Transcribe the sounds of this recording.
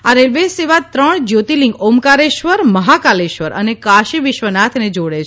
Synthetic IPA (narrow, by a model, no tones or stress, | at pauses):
aɾelʋeseʋat̪ɾəɳd͡ʒot̪ilĩŋɡomkaɾeʃʋəɾməɦakaleʃʋəɾʔə̰nekaʃiʋɪʃʋənat̪ʰned͡ʒoɽet͡ʃʰ